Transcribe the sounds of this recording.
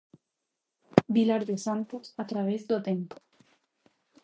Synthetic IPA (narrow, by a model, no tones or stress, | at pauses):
bilaɾðesant̪osat̪ɾaβ̞ezðot̪empo